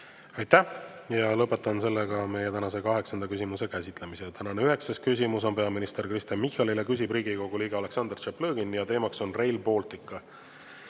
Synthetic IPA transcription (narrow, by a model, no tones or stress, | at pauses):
ɑjt̪ːæjɑlɤpːˑe̞t̪ːˑɑnse̞lːeɡɑme̞jet̪ænɑse̞kɑɦe̞ksɑnd̪ɑkysimuse̞kæsit̪ˑle̞miset̪ænɑneyɦe̞kseskys̬ʲimuso̞npe̞ɑminist̪e̞rkrist̪ɑnmihɑlilekys̬ʲibriːɡiko̞ɡ̥uliːɡ̥eɑle̞ksɑnd̪ert͡ʃeplɤːɡ̥injɑt̪e̞ːmɑkso̞nre̞jlpo̞ːlt̪ˑikːˑɑ